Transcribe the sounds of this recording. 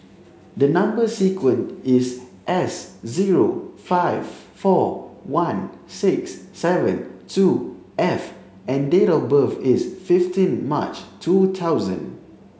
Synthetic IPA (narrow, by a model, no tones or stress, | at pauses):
dənãmbəsikwə̃ntɪsʔɛsziɹofaɪv | fɔwãnsɪksːɛvə̰̃ntʰu | ʔɛf | ɛ̃ndeɾɔfbəfɪsfɪftĩnma̰t͡ʃtʰutʰawzə̰̃n